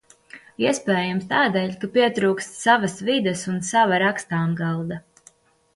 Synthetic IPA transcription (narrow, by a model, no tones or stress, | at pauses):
iɛspɛːjamst̪aːd̪ɛːʎʲkapiɛt̪ɾuːkst̪savasvid̪əsunsavaɾakst̪aːmɡɑlˠd̪a